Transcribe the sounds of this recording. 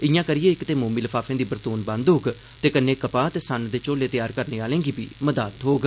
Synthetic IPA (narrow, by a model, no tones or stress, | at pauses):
ɪjãːkəɾɪjeːɪkt̪eːmoːmiːləfʰaːfʰẽːd̪iːbəɾt̪uːnbə̃nd̪ɦoːɡ | t̪eːkənːeːkəpaːt̪eːsənd̪eːt͡ʃoːleːt̪ɪjaːɾkəɾneːaːlẽːŋɡiːbḭːməd̪aːt̪ɦoːɡ